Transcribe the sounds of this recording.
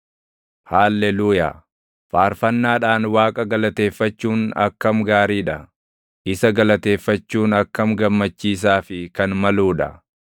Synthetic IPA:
haːlːɛluːja̰ː | faːɾfɐnːaːᶑaːnwaːkʼɐɡɐlɐt̪e̞ːfːɐt͡ʃːuːnɐ̰kːɐmɡaːɾiːᶑɐ | ʔɪsɐɡɐlɐt̪e̞ːfːɐt͡ʃːuːnɐkːɐmɡɐmːɐt͡ʃːiːs̬aːfɪkɐnmɐluːᶑɐ

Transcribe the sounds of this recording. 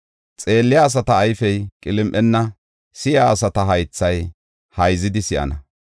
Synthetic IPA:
t͡sʼe̞ːlːɪjaːs̬ɐt̪ɐːjfɛjkʼɪlɪmʔɛnːɐ | sɪjaːsɐt̪ɐɦɐjt͡sːɐj | hɐjzɪd̪ɪsɪʔɐ̰nɐ

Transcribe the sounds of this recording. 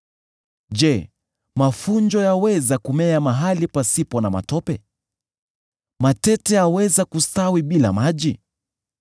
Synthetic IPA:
ʄɛ | mafund͡ʒɔjawɛzakumɛjamaɦalipasipɔnama̰tɔpɛ | matɛtɛawɛzakustawiɓila̰maʄi

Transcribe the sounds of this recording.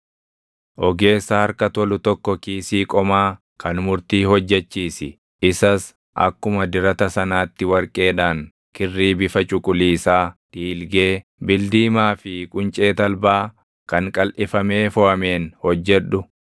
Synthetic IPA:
ʔɔɡe̞ːsːɐhɐɾkɐt̪ɔlʊt̪ɔkːɔkiːsiːkʼɔmaː | kʰɐnmʊɾt̪iːhɔd͡ʒːɛt͡ʃːiːsɪ | ɪsɐs | ʔɐ̰kːʊmɐd̪ɪɾɐt̪ɐsɐnaːt̪ːɪwɐɾkʼe̞ːᶑaːŋ | kɪrːiːbɪfɐt͡ʃʼʊkʼʊliːsaːd̪̥iːlɡeːbɪld̪iːmaːfɪkʼʊnt͡ʃʼe̞ːt̪ɐlbaː | kɐŋkʼɐlʔɪfɐme̞ːfɔʔɐme̞ːnhɔd͡ʒːɛᶑːʊ

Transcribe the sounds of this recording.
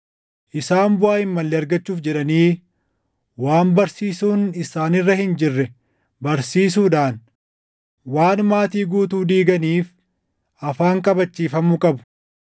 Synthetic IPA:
ʔɪsaːmbʊaːɪmːɐlːɛɐɾɡɐt͡ʃːuːfd͡ʒɛᶑɐniː | waːmbɐɾsiːsuːnɪsaːnɪrːɐhɪnd͡ʒɪrːɛ | bɐɾsiːs̬uːᶑaːn | waːnmaːt̪iːɡuːt̪uːd̪iːɡɐniːf | ɐfaːŋkʼɐbɐt͡ʃːiːfɐmːʊkʼɐbʊ̥

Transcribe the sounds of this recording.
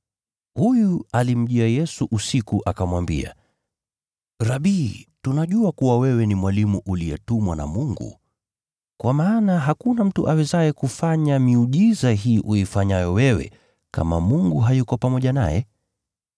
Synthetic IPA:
hujualim̩ʄiajɛsuʔusikuʔakamwambḭa̰ | ɾaɓiːtunaʄuakuwawɛwɛnimwalimuʔulijɛtumwana̰muŋɡṵ | kwamaːnaɦakunam̩tuʔawɛzaɛkufaɲamiuʄizaɦiːʔuifaɲajɔwɛwɛ̰ | ka̰ma̰muŋɡuɦajukɔpamɔʄana̰jɛ̰

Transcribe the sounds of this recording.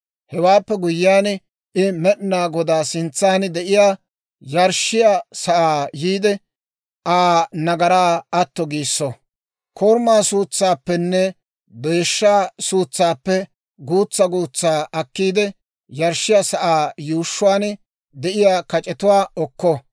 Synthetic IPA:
hɛwaːpːɛɡʊjɪjaːn | ʔɪmɛɗnaːɡɔd̪aːsɪnt͡sːaːnd̪ɛʔɪjaː | jɐɾʃːɪjasɐʔaːjiːd̪ɛ | ʔaːnɐɡɐɾaːɐt̪ːɔɡiːsːɔ | kʰoːɾmaːsuːt͡sːaːpːɛnːɛ | b̪eːʃːaːsuːt͡sːaːpːɛ | ɡuːt͡sːɐɡuːt͡sːaːʔɐkːiːd̪ɛ | jɐɾʃːɪjaːsɐʔaːjuːʃːʊwaːn | d̪ɛʔɪjaːkɐt͡ʃʼɛt̪ʊwaːɔkːɔ

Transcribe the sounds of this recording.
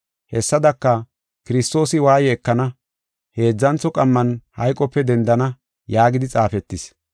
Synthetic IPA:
hɛsːɐd̪ɐkːɐ | kɪɾɪst̪o̞ːsɪwaːjɛɛkːɐnɐ | he̞ːd͡zːɐnt͡sɔkʼɐmːɐnhɐjkʼːɔpːɛd̪ɛnd̪ɐnɐ | jaːɡɪd̪ɪt͡sʼaːfɛt̪ːɪs

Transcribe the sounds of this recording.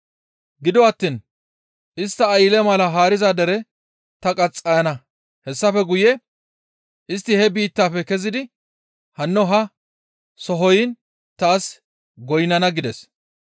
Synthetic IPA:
ɡɪd̪ɔɐt̪ːiːn | ʔɪst̪ːɐːjɪlɛmɐlɐɦaːɾɪzad̪ɛɾɛ | t̪ɐkʼɐt͡sʼːɐjɐnɐ | hɛsːɐfɛɡʊjɛ | ʔɪst̪ːɪhɛbiːt̪ːaːfɛkɛzɪd̪ɪ | hɐnːɔɦɐ | sɔɦɔjɪn | t̪aːs | ɡɔjnɐnɐɡɪd̪ɛs

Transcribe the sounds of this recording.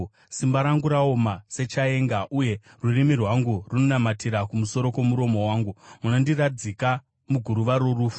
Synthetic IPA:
simbaɾaŋɡuɾao̞mase̞t͡ʃae̞ːŋɡaʔuje̞ | rurimirwaŋɡuruno̞namatiɾakumuso̞ɾo̞ko̞muɾo̞mo̞waːŋɡumunondirad͡zika | muɡʱuɾuʋaɾo̞ruːfu̥

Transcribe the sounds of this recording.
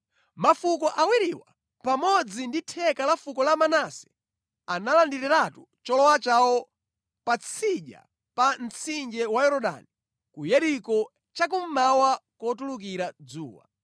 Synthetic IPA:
mafukɔʔawiɾiwa | pamɔd͡zinditʰɛkalafukɔlamanasɛ̥ | analandiɾiɾatu | t͡ʃɔlɔwat͡ʃawɔ | pat͡sʰiʄa̰ | pan̩t͡sʰind͡ʒɛwajɛɾɔɗa̰ni | kujɛɾikɔ | t͡ʃak̬um̩mawakɔtuluk̬iɾad͡zṵːwa̰

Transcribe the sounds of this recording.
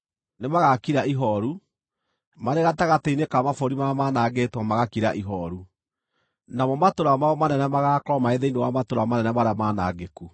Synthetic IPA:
nemaɣakiɾaʔiɦɔɾu | maɾeɣataɣateinekamafoɾimamanaɡetwamaɣakiɾa̰ʔiɦɔɾu | namɔmatoɾamaɔmanɛnɛmaɣakɾɔmaeðeinewamatoɾamanɛnɛmaɾeamana̰ɡeku

